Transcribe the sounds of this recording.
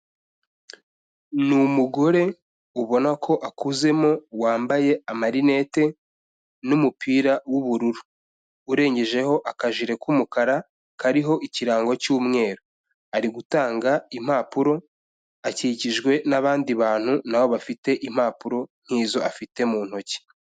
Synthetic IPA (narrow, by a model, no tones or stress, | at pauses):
numuɡo̞ɾe̞ | uβo̞nakʰo̞ʔakuze̞mo̞waːmbaje̞amaɾine̞te̞ | numupʰiːɾawuβuɾuɾuː | ɾe̞ːɲɟe̞ʒe̞ho̞ʔakaʒiɾe̞kumukaɾa | kaɾiɦo̞ʔiciɾaːŋɡo̞cuːmŋe̞ːɾo | aɾiɡutaːŋɡaim̥aːpuɾo̞ | aciciʒɡwe̞naβaːndiβaːn̥hunawo̞βafite̞ʔim̥haːpuɾo̞n̥hiːzo̞ʔafite̞muːn̥ho̞ci̥